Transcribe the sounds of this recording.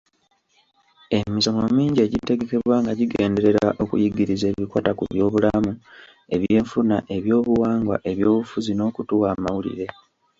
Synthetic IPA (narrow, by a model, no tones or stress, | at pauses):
e̞misomomiːɲɟe̞ɟite̞ɡe̞ke̞βwaŋɡaɟiɡeːnde̞ɾe̞ɾa̰ʔo̞kṵjiɡiɾize̞ːβikwaːtakṵβjo̞ːβulamu | e̞βje̞ːɱfunaʔeβjo̞ːβuwaːŋɡwa̰ʔe̞βjo̞ːβufuzino̞ːkutuwaːmawulḭɾe̞